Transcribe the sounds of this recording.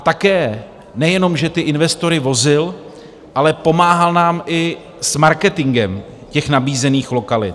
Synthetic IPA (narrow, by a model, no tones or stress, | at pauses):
at̪akɛː | nɛjɛno̞mʒɛt̪ɪʔɪnvɛst̪o̞ɾɪvo̞zɪl | ʔalɛpo̞maːɦalnaːmʔɪ | smaɾkɛt̪ɪŋɡɛm | cɛxnabiːzɛniːxlo̞kalɪ̰t̪